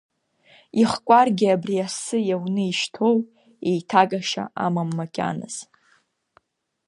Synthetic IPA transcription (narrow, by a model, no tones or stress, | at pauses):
iχkʷʼarɡʲɪabriasɨjawnɨiʃtʰo̞w | ejtʰakʼaʃa̰a̰mamːakʲʼa̰nɨ̰z̥